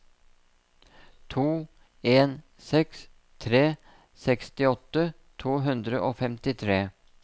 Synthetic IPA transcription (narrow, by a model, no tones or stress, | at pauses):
t̪ʰuː | eːn | sɛks | t̪ʰɾeː | sɛkst̪ɪɔt̪ə | t̪ʰuːɦʉnd̪ɾəʔoːfɛmt̪ɪt̪ʰɾeː